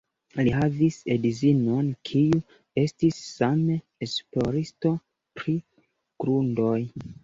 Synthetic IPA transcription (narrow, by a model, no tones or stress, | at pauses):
lihavisedizino̞nkʰiu | e̞stisːame | esplo̞ɾisto̞ | pɾi | ɡ̥ɾundo̞j